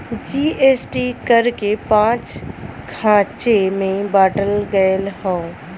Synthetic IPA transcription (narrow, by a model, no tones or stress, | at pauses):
d͡ʒiːeːsʈikəɾkepãːt͡ʃkʰãːt͡ʃemẽbaːʈəlɡəlhão